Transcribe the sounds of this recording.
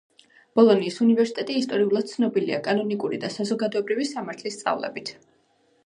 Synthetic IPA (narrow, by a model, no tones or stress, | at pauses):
b̥ɔlˠɔniːsunivɛɾsi̥t̪ʼɛt̪ʼiːst̪ʼɔɾiulˠad̪̥̚t̪sʰnɔbilia̰kʼanɔnikʼuɾid̪asazɔɡad̪ɔɛbɾivisamaɾt̪ʰlist̪sʼa̰vlɛ̰bit̪ʰ